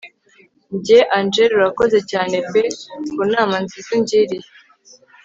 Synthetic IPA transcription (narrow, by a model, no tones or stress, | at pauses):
ɲɟeʔand͡ʒeɾuɾako̞ze̞caːne̞pekunaːmanzizuɲɟiɾije